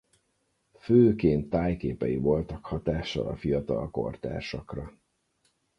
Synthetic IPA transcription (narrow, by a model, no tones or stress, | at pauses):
føːkeːnt̪ːaːjkeːpɛjivo̞lt̪ɒkhɒt̪aːʃɒ̰lɒfijɒt̪ɒlko̞̰rt̪a̰ːʃɒkrɒ